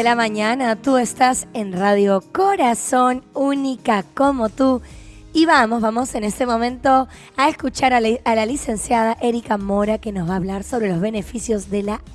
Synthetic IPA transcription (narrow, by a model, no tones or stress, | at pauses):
elamãɲãnat̪ue̞st̪ase̞nraðjo̞ko̞ɾaso̞nunikako̞mo̞t̪u | iβamo̞zβamo̞sene̞st̪e̞mõ̞mẽ̞nt̪o̞ | aeskut͡ʃaɾalalise̞nsjaðaʔe̞ɾikamo̞ɾake̞no̞zβaːβlaɾso̞βɾe̞lozβe̞ne̞fisjozðe̞la